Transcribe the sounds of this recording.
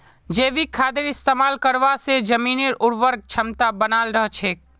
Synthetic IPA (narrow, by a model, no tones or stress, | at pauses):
d͡ʒeːʋikʰːaːd̪ɪɾɪst̪eːmaːlkəɾʋased͡ʒəmiːniɾʊɾʋəɾɡ̚t͡ʃʰəmt̪abənaːlɾəɦt͡ʃʰeː